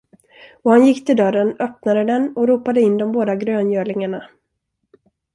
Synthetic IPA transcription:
ɔhanjɪkːt̪ʰɪld̪œɾənœp̚nad̪əd̪ɛnɔɾuːpad̪əɪnːd̪ɔmboːd̪aɡɾøːnjøːɭɪŋaɳa

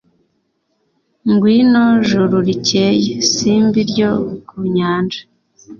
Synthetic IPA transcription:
ŋɡwiːnoʒuɾuɾicejesiːmbiɾɟokuɲaːnd͡ʒḁ

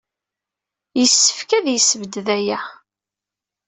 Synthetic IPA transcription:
jəsːə̥fkæðjəsːəvəd̪ðæjæ

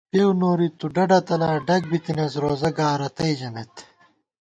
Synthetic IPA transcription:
pewnoːɾit̪uɖɐɖɐt̪ɐlaːɖɐk̚bit̪ines̬ɾoːzɐɡaːɾɐt̪ɐid͡ʑɐnet̪

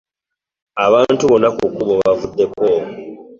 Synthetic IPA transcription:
aβaːntuβo̞nːakukuβo̞βavudːe̞ko

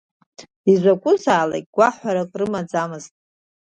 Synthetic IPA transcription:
izʷakʷʼʊzaːla̰kʼɡ̥ʷaħʷaɾakʼrɨmad͡zamɨztʼ

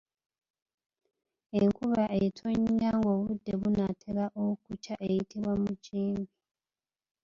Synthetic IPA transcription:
eŋkuβaʔetʰoɲːaːŋɡo̞βudːe̞βunatʰelaʔokucaʔe̞jitiβwamuciːmbi

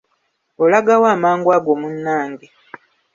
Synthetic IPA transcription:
olaɡawaːmaːŋɡwaːɡoːmunːaːndi

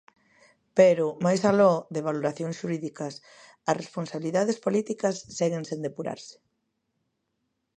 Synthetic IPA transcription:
peɾʊmajsalɔðeβ̞aloɾaθjõŋsʃuɾiðikɐs | ɐsresponsaβiliðaðespolit̪ikɐsːɛɣẽnsẽnd̪epuɾa̰ɾsɪ̥

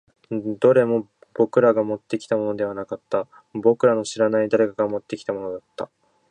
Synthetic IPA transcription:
d̪o̞ɾe̞mo̞ | b̥o̞kɯ̟ɾaɡamo̞t̪ːe̞kʲi̥t̪amo̞no̞d̪e̞β̞anakat̪ːa | bo̞kɯ̟ɾano̞ɕiɾanaid̪aɾe̞kaɡamo̞t̪ːe̞kʲi̥t̪amo̞nod̪at̪ːa

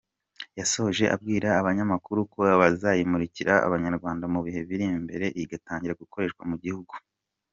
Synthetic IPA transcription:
jaso̞hoʒe̞ʔa̰bɡiːɾaːβaɲamakuɾuko̞βazajimuɾiciɾaa̰βaɲaɾɡwaːndamuβihe̞viɾimbe̞ɾe̞ʔiɡataːɲɟiɾaɡuko̞ɾe̞ʃkwamuɟihuɡu̥

